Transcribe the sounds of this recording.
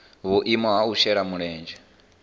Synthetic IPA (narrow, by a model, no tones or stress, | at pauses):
βuʔimɔɦaut͡ʃɛɺamuɺɛːnd͡ʒɛ